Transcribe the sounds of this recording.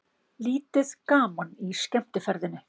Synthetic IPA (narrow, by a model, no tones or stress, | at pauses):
liːt̪ɪðkaːmaniscɛm̥t̪ɪfɛɾðɪnʏ